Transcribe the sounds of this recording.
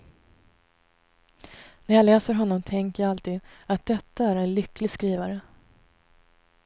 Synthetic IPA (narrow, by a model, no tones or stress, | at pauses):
næɾjɑlɛːsəɾɦɔnːɔmt̪ʰɛŋkəjaalt̪ʰiːd̪at̪̚d̪ɛt̪ːaæɾɛnlʏkʰlɪɡskɾiːvaɾə